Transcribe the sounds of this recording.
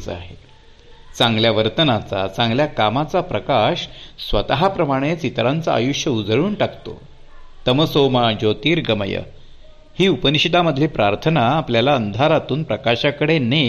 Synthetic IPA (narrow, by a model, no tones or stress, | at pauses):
t͡sa̰ɦe | t͡sãŋɡljaʋəɾt̪ənat͡sa̰t͡sãŋɡljakamat͡sapɾəkaɕsʋət̪əɦapɾəmaɽ̃et͡sit̪ɾant͡saa̰juʂjəud͡zɭuːnʈakt̪o̰ | t̪əməsomad͡ʑot̪iːɾɡəmə̰jə̰ | hiːupəniɕit̪aməd̪ʱleːpɾaɾt̪ʰənaːpljalaənd̪ʱaɾat̪uːnpɾəkaɕakəɽene